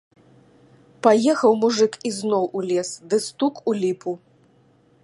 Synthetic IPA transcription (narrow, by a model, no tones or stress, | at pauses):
pajɛxɐwmuʐɨkiznɔwʔulʲɛsd̪ɨst̪ukulʲipu